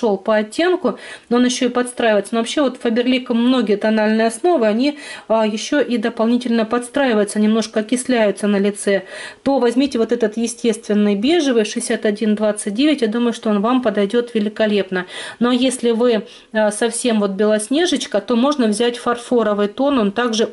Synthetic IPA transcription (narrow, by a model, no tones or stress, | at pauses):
olˠpəɐtʲːe̞nkʊnoonjɪɕːo̞ɪpɐt̪st̪ɾajvəjɪt̪sənovɐpɕːevo̞t̪fəbʲɪrlʲikəmːno̞ɡʲɪjət̪ɐnalʲnɨjɐsno̞vɨɐnʲiəjɪɕːo̞ʔid̪əpɐlˠnʲitʲɪlʲnəpɐt̪st̪ɾajɪvəjʊt̪sənʲɪmno̞ʂkəɐkʲɪsʲlʲæjʊt̪sənəlʲɪt̪sɛt̪o̞vɐzʲmʲitʲɪvo̞t̪ɛt̪ət̪jɪsʲtʲe̞st̪vʲɪnːɨjbʲe̞ʐɨvɨjʂɨɪsʲat̪ɐdʲind̪vat̪sɨt̚ʲdʲevʲɪtʲjad̪uməjʊʂt̪oonvampəd̪ɐjdʲo̞t̪vʲɪlʲɪkɐlʲe̞pnəno̞jesʲlʲɪvɨ | sɐfsʲe̞mvo̞t̪̚bʲɪlˠɐsʲnʲe̞ʐɨt͡ɕkət̪o̞mo̞ʐnəvzʲætʲfɐrfo̞ɾəvɨjt̪o̞no̞nt̪aɡʐɨ